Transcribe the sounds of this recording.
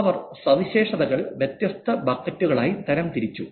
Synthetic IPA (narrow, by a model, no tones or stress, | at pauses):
ʋɐrsɐʋiɕe̞ːʂɐðɐɣɐɭʋjet̪jɐst̪ʰɐbɐkːɐtːuɣɐɭaːjit̪ɐɾɐmt̪iɾit͡ɕːu